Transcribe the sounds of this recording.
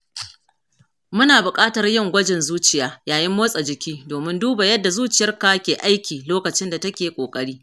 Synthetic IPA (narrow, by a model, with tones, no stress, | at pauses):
mʊ˦naː˨bʊ˨kʼaː˦tɐ˨rjɪ˦˨ŋɡʷɐ˦d͡ʒɛ˨nzuː˦t͡ʃɪ˨jaː˦jaː˨jɪ˦mːoː˦sʼɐ˨d͡ʒɪ˨kʲiː˦doː˨mɪ˦nduː˦ba˨jɐ˦dːa˨zuː˦t͡ʃɪ˨jɐ˦rkaː˦kʲeː˨ʔa˦jkʲiː˨loː˦kɐ˨t͡ʃɪ˦nda˨tɐ˦kʲeː˨kʷʼoː˨kʼɐ˦ɽiː˦